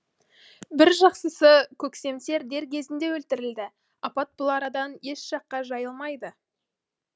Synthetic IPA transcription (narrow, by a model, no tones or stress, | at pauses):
bɪɾʒɑqsəsəkʲʰɵkse̞mse̞ɾd̪e̞ɾkʲʰe̞zɪnd̪e̞wɵlt̪ɪɾɪld̪ɪ | ɑpɑt̪̚bʊlˠɑɾɑd̪ɑne̞ʃʒ̥ɑqːɑʒɑjəlˠmɑjd̪ə